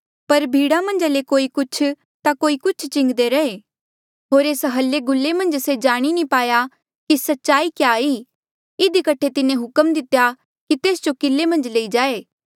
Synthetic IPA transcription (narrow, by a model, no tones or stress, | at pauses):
pɐɾbʱiːɽamɐ̃nd͡ʒalekoːikʊt͡ʃʰ | t̪akoːikʊt͡ʃʰt͡ʃɪ̃ŋɡd̪eɾɐeː | ɦoːɾeːsɦɐlːeɡʊlːemɐ̃nd͡ʒsed͡ʒaːɽ̃inĩpaːja | kisɐtːʃaːikjaːiː | ɪd̪ikɐʈʰet̪ɪnẽɦʊkəmd̪ɪt̪ja | kit̪eːsd͡ʒokɪlːemɐ̃nd͡ʒleːid͡ʒaːeː